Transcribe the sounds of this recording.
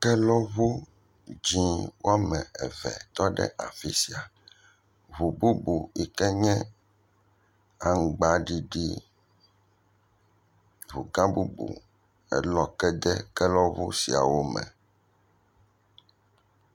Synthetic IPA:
kɛ˦lɔ˦βu˦ | d͡ʒĩ˦wo˦a˦mɛ̃˨ɛ˨vɛ̰˨t̪ɔ˦ɖɛ̰˦ʔa˨fi˦si˨a˨ | βu˨bu˦bu˨i˨kɛ˦ɲɛ̃˦ | a˨ŋ̩˨ɡ͡ba˦ɖi˦ɖi˦ | βu˨ɡã˦bu˦bṵ˨ | ɛ̰˦lɔ˦kɛ˦d̪ɛ˦kɛ˦lɔ˦βu˦si˨a̰˨wo˦mɛ̰̃˨

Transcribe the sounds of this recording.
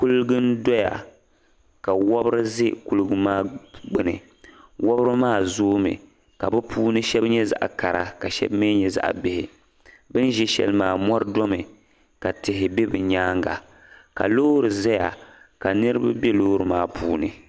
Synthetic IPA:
ku˦lɡɨ˦n˦dɔ˦ja̰˨ | ka˨wɔ˦bɾɨ˦zɪ˦ku˦lɨ˦ɡɨ˦maː˦ɡ͡bɨ˨nɨ˨ | wɔ˦bɾɨ˦maː˦˨zoː˦mɨ̰˨ | ka˨bɨ˦pʰuː˦nɨ˦ʃɛ˦bɲɛ˦za̰˦ʔa˨ka˨ɾa̰˨ka˨ʃɛ̰˦bme˦ɲɛ˨za̰˦ʔbɪ˨hɪ˨ | bɨ˦n˦ʒɛ˦ʃɛ̰˨lmaː˨mɔ˦ɾɨ˦dɔ˦mɨ˨ | ka˨tɪ˨ɦɪ˨bɛ˦bɨ˨ɲaː˦ŋɡa̰˨ | ka̰˨loː˦ɾɨ˨zɛ˦ja̰˨ka˨nɨ˦ɾɨ˦ba˦bjɛ˦loː˦ɾɨ˨maː˦pʰuː˦nɨ̰˨

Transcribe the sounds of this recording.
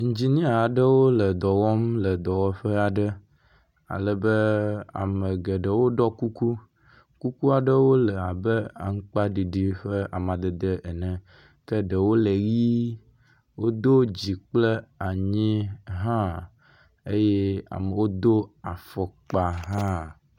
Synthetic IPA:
ŋ̩˨d͡ʑi˦nĩ˦a˨ɖə˦wo˦lə˨d̪ɔ˨wɔ˦mlə˨d̪ɔ˨wɔ˦ɸə˦a˨ɖə˦ | a̰˨lə˨bə˦a̰˨mə˨ɡə˨ɖə˨wo˦ɖɔ˦ku˦ku˦ | ku˦ku˦a˨ɖə˦wo˦lə˨a˨bə˦a̰˨ŋ̩˦k͡pa˦ɖi˨ɖi˦ɸə˦a˨mã˨d̪ə˨d̪ə˦ʔe˨nɛ̃˨ | kə˦ɖə˨wo˦lə˨ɣi˦ | wo˦d̪o˦d͡ʑi˨k͡plə˦a˨ɲĩ˦ɦã˦ | e˦jɛ˦a̰˨mə˨wo˦d̪o˦a˨fɔ˨k͡pa˨ɦã˦

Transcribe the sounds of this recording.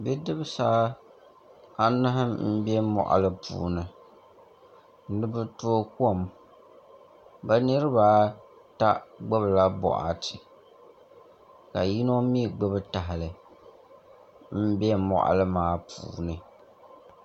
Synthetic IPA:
bɛ˦dɨ˦bɨ˦saː˦ | a˦nɨ˦ɦɨ˦mm̩˦bɛ˦mɔ̰˨ʔa̰˨lɨ˦pṵː˨nɨ˨ | n˦nɨ˦bɨ˦to˦o˦ku˦o˦˨m | ba˦nɨ˦ɾɨ˦baː˦ | ta˦ɡ͡bɛ˦bla˦bɔ̰˨ʔa̰˨tɪ˨ | ka˨ji˦no˦mi˦˨ɡ͡bɨ˦bɨ˦ta˨ɦɪ˨lɨ˨ | m̩˦bɛ˦mɔ̰˨ʔa̰˨lɨ˦maː˨˦pṵː˨nɨ˨

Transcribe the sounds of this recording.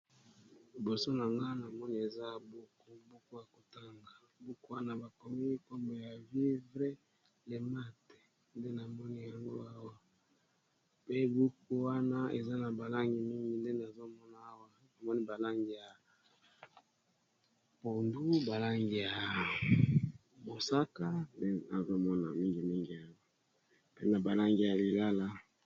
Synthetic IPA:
li˨bo˨so˦na˨ŋɡa˦na˨mɔ˦ni˦e˨za˦bu˦ku˦bo˦ko˦ja˨ko˨ta˦ŋɡa˨ | bu˦ku˦wa˦na˨ba˨ko˨mi˦ko˦mbo˨ja˨vi˦vʁe˦ | le˨ma˦te̥˨ | nde˦na˨mɔ˦ni˦ja˨ŋɡo˦a˦wa˨ | pe˦bu˦ku˦wa˦na˦e˨za˦na˨ba˨la˦ŋɡi˨mi˦ŋɡi˨nde˦n˨a˨zo˦mɔ˦na˨a˦wa˦ | na˨mɔ˦ni˦ba˨la˦ŋɡi˨ja˨ | po˨ndu˦ba˨la˦ŋɡi˨ja˨ | bo˨sa˦ka˦nde˦a˨zo˦mɔ˦na̰˨mi˦ŋɡi˨mi˦ŋɡi˨a˦wa˦ | pe˦na˨ba˨la˦ŋɡi˨ja˨li˨la˦la˦

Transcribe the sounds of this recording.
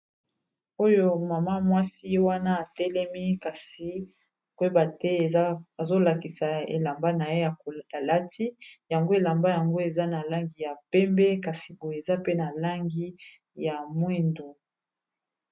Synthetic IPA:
o˦jo˦ma˨ma˦mwa˦si˦wa˦na˦a˨tɛ˦lɛ˦mi˦ka˨si˨ | kwe˦ba˨tɛ˦˨˦a˨zo˦la˨ki˨sa˨ḛ˨la˨mba˦na˨je˦ja˨a˨la˦tʰi˦ja˨ŋɡo˦e˨la˨mba˦ja˨ŋɡo˦e˨za˦na˨la˦ŋɡi˨ja˨pɛ˦mbɛ˦ka˨si˨bo˨e˨za˦pe˦na˨la˦ŋɡi˦ | ja˨mwe˦ndo˨

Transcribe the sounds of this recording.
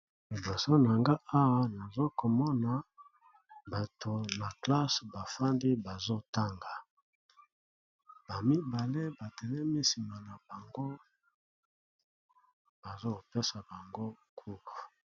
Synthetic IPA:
li˨bo˨so˦na˨ŋɡa˦ʔa˦wa˨na˨zo˦ko˨mɔ˦na˨ | ba˨to˨na˨kla˦sba˨fa˦ndi˦ba˨zo˦ta˦ŋɡa˨ | b̥a˨mi˦ba˨le˦ba˨tɛ˨nɛ˦mi˦si˨ma˨na˨ba˨ŋɡo˦ | b̥a˨zo˦˨pe˦sa˨ba˨ŋɡo˦kʰu˦ku˨

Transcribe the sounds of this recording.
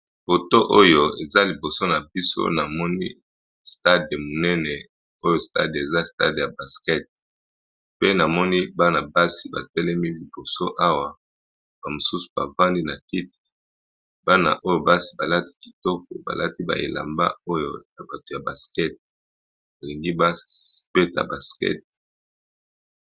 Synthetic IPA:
fo˨to˦ʔo˦jo˦e˨za˦li˨bo˨so˦na˨bi˦so̰˦na˨mɔ˦nḭ˦ | sta˦de˨mo˨nɛ˦nɛ˨ | o˦jo˦sta̰˦de˨za˦sta̰˦dja˨ba˨skɛ˦t̚ | pe˦na˨mɔ˦ni˦ba˦na˨ba˦si˨ba̰˨tɛ˦lɛ˦mi˦li˨bo˨so˦ʔa˦wa˨ | b̥a˨mo˨su˦su̥˨ba̰˨va˦ndi˦na˨ki˦t̚e̥˨ | ba˦na̰˨ʔo˦jo˨ba˦si˨ba˨la˦ti̥˦ki̥˨tɔ˦k̚ɔ˨ba̰˨la˦ti˦ba̰˨ḛ˨la̰˨mba̰˦o˦jo̰˨ja˨ba˨to˨ja˨ba˨skɛ˦t̚ | ba˨li˨ŋɡi˦ba˦spɛ˦ta̰˨ba˨skɛ̰˦t̚

